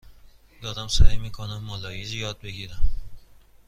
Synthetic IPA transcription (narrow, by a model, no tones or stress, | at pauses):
jɒːd̪æmsæ̰ɾmiːkʰonæmːɒlɒːjizijɒːd̪̚be̞ɡiːɾæm